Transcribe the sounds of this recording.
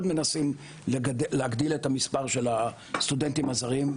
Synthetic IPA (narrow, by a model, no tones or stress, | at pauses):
dme̞nasim | leaɡd̪iletamispaʁʃe̞la | st̪udent̪imazaʁim